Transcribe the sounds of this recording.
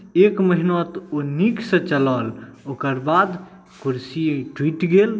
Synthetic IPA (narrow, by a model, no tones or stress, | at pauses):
ekməɦinɔt̪oniksə̃t͡ʃəlɔlokəɾbad̪ | kuɾsiʈwiʈɡel